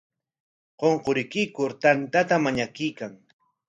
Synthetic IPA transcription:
qoɴqoɾɪkɪjkʊɾt̪ant̪at̪amaɲakɪjkaŋ

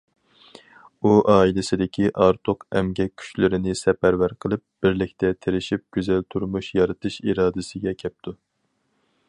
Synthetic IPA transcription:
uʔɑːilɪsɪd̪ɪkʲiʔɑɾt̪ʰoqɛmɡʲɛkʲʰːy̥t͡ʃlɪɾɪnɪsɛpæɾvæɾqʰəlˠɨp̚b̥ɪɾlɪkʲt̪ʰɛt̪ʰeɾɪʃip̚ɡʲyzɛlt̪ʰuɾmuʃjɑɾɨt̪ʰɨʃiɾɑːd̪ɪsɪɡʲɛkʲʰɛp̚t̪ʰu

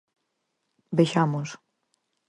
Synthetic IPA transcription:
beʃamos

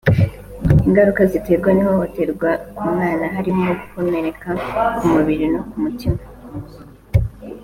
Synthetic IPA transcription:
iŋɡaɾukazite̞ɾɡwanihohote̞ɾɡwakuːmŋaːnaɦaɾimoɡukune̞ɾe̞kakumuβiɾinokumutima

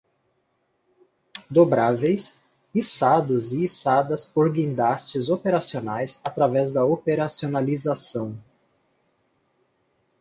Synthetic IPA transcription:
d̪obɾavejs | isad̪ʊziːsad̪ɐspoɾɡĩnd̪ast͡ʃɪzopeɾasionajsat̪ɾavɛzd̪ɐopeɾasionalizasɐ̃w̃

